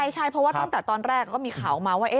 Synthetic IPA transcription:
jt͡ɕʰa˥˩jpʰɾɔ˦˥waː˥˩a˥˩ŋt̪ɛː˨˩t̪ɔː˧nɾɛː˥˩kːɔː˥˩miː˧kʰaː˩˦wmaː˧waː˥˩ʔe˦˩

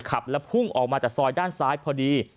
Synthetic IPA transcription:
kʰa˨˩p̚lɛ˦˥pʰu˥˩ŋʔɔ̰ː˨˩k̚maː˧t͡ɕaː˨˩k̚sɔː˧jdaː˥˩nsaː˦˥jpʰɔː˧diː˧

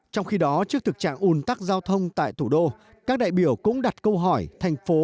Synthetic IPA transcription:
t͡ɕɔ˧wŋ͡mxi˧ɗɔ˨˦t͡ɕɨ˦˥ək̚t̪ʰɨ˨˩k̚t͡ɕa̰ː˧˨ŋʔu˨˩nt̪a˦˥k̚zaː˧wt̪ʰə˧wŋ͡mt̪a̰ː˧˨jt̪ʰu˧˩ɗo˧ | kaː˦˥k̚ɗa̰ː˧˨jɓi˧˩əwkʊ̰˧˥ŋ͡mɗa˨˩t̚kə˧wɦɔ˧˩jt̪ʰa˨˩jŋ̟fo˨˦

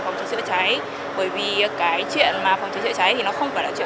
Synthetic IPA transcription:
fa˨˩wŋ͡mt͡ɕə˨˦˥sɨ̰˧˥t͡ɕa˨˦j | ɓəː˧˩jvi˨˩kaː˨˦jt͡ɕwḭ˧˨ənmaː˨˩fa˨˩wŋ͡mt͡ɕə˨˦sɨ̰˧˥t͡ɕa˨˦jt̪ʰi˨˩nɔ˨˦xə˧wŋ͡mfaː˧˩laː˧˩t͡ɕwḭ˧˨

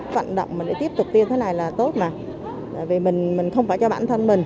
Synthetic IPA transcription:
k̚va̰ː˧˨nɗə̰˧˨wŋ͡mmaː˨˩nɗḛ˧˥t̪i˦˥əp̚t̪ʊ˨˩k͡p̚t̪i˧nt̪ʰe˨˦na˨˩jlaː˨˩t̪o˦˥t̚na˨˩ | t̪a̰ː˧˨jvi˨˩mï˨˩ŋ̟mï˨˩ŋ̟xə˧wŋ͡mfaː˧˩jt͡ɕɔ˧ɓa̰ː˧˨nt̪ʰə˧nmï˨˩ŋ̟

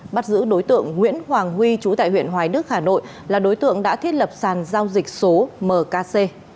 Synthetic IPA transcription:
ɓa˦˥t̚zɨ̰˧˥ɗo˨˦jt̪ɨ̰˧˨əŋːwḭ˧˥ənhwaː˨˩ŋɦwi˧t͡ɕu˨˦t̪a̰ː˧˨hwḭ˧˨ənɦwaː˨˦jɗɨ˦˥ək̚haː˧˩no̰˧˨j | laː˨˩ɗo˨˦jt̪ɨ̰˧˨əŋɗa̰ː˧˥t̪ʰi˦˥ət̚lə˨˩p̚saː˨˩nzaː˧wzï˨˩k̟̚so˨˦məː˨˩kaː˧se˧

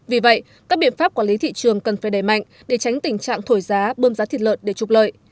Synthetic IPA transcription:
vi˨˩və̰˧˨j | kaː˦˥k̚ɓḭ˧˨ənfaː˦˥p̚kwaː˧˩li˨˦t̪ʰḭ˧˨t͡ɕɨ˨˩əŋkə˨˩nfaː˧˩jɗə˧˩jma̰˧˨jŋ̟ | ɗe˧˩t͡ɕa˨˦jŋ̟t̪ï˨˩ŋt͡ɕa̰ː˧˨ŋt̪ʰo˧˩jzaː˨˦ɓəː˧mzaː˨˦t̪ʰi˨˩t̚lə̰ː˧˨nɗe˧˩t͡ɕʊ˨˩k͡p̚lə̰ː˧˨j

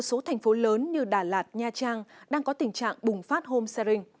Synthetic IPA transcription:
t̚so˨˦t̪ʰa˨˩jŋ̟fo˨˦ləː˨˦nɲɨ˧ɗaː˧˩laː˨˩t̚ɲaː˧t͡ɕaː˧ŋɗaː˧ŋkɔ˨˦t̪ï˨˩ŋ̟t͡ɕa̰ː˧˨ŋɓʊ˨˩ŋ͡mfaː˦˥t̚ho˧msa˧ɾï˧ŋ̟

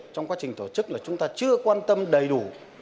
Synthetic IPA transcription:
t͡ɕɔ˧wŋ͡mkwaː˨˦˥t͡ɕï˨˩ŋ̟t̪o˧˩t͡ɕɨ˦˥k̚laː˨˩t͡ɕʊ˨˦ŋ͡mt̪aː˧t͡ɕɨ˧əkwaː˧nt̪ə˧mɗə˨˩jɗu˧˩˦

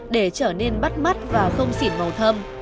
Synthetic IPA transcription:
ɗe˧˩t͡ɕəː˧˩ne˧nɓa˦˥t̚ma˦˥t̚vaː˨˩xə˧wŋ͡msḭ˧˩nmə˨˩wt̪ʰə˧m

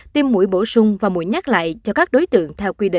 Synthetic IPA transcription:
t̪i˧mːṵ˧˩əjɓo˧˩sʊ˧ŋ͡mvaː˨˩mu˧˨jɲa˦˥k̚la̰ː˧˨jt͡ɕɔ˧kaː˦˥k̚ɗo˨˦jt̪ɨ̰˧˨əŋt̪ʰɛ˧wkwi˧ɗḭ˧˨

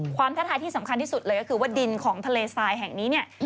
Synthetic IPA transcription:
kʰwaː˧mt̪ʰa˦˥t̪ʰaː˧jt̪iː˥˩sa˩˦mkʰnt̪ʰiː˥˩su˨˩t̪̚lɤː˧kɔ˥kʰɯː˧wa˥˩di˧nkʰɔː˩˦ŋt̪ʰa˧leː˧saː˧jɦɛ˨˩ŋniː˦˥ni˥˩ɐ

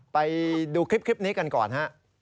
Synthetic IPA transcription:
pa˧jduː˧kʰɾi˦˥p̚kʰɾi˦˥p̚niː˦˥ka˧nkɔ̰ː˨˩nɦa˦˥ʔ

